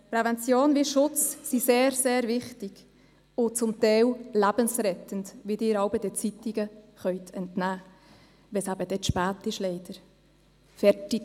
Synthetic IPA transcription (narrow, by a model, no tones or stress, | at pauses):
pɾɛvɛnt͡sjoːnviʃʊt͡ssiseːɾseːɾvɪχtɪɡ̥ | ʊt͡sʊmtɛɪwlæbənsrɛt̪əndvidɪːɾɑʊwbədɛt͡sitɪɡə | χœʏtʰɛntnæː | ʋɛsæbəd̥ɛtʃpæːtɪʃlɛɪd̥əɾ | fɛtɪk